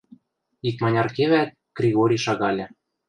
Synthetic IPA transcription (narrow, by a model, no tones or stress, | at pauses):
ik̪mɑnʲɑrkeβæt̪̚ | ɡ̥rʲiɣoɾʲiʃɑɣɑlʲɘ̆